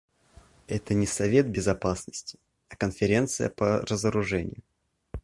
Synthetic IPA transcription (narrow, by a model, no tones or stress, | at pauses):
ɛt̪ənʲɪsɐvʲe̞t̪̚bʲɪzɐpasnəsʲtʲɪ̥ | ɐkənfʲɪɾʲe̞nt̪sɨjə̰pərəzəɾʊʐɛnʲɪ̰jʊ